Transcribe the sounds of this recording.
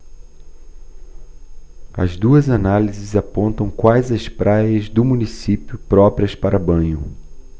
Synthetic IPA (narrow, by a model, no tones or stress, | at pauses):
ɐ̰zd̪uɐzanalizɪzapõnt̪ɐ̃w̃kwajzɐspɾʔajɐzd̪ʊmũnisipjʊpɾɔpɾiɐspaɾɐbɐ̃ɲʊ